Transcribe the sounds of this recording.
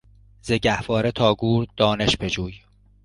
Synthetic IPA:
zeɟæhvɒːɾet̪ʰɒːɡuːɾd̪̥ɒːneʃpʰe̞d͡ʒuːj

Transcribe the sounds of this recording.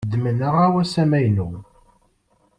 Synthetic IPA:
d̪ːmənəʁawæsæmæjnu

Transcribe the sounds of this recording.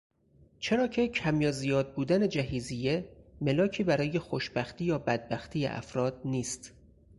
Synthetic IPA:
t͡ʃʰe̞ɾɒːcʰe̞cʰæmjɒːzijɒːd̪̚buːd̪æne̞d͡ʒæɦiːzijeme̞lɒːcʰiːbæɾɒːje̞xoʃbæxt̪iːjɒːbæd̪̚bæxt̪ʰiːjḛʔæ̰fɾɒːd̪̥̚niːst̪

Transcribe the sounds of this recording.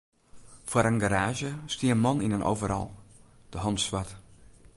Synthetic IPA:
fwəɾənɡaɾaːʒəstiənmɔninənʔo̰wvəɾɔ̰lˠ | d̥əɦɔntsʋat

